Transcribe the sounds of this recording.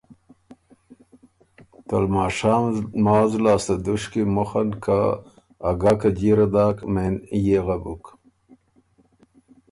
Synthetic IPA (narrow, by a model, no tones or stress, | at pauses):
t̪ɐlmaːʂaːmmaːzlaːst̪ɐd̪uʂkimoxɐnkʰaː | ɡakad͡ʑiɾɐd̪aːkmenjeɣabuk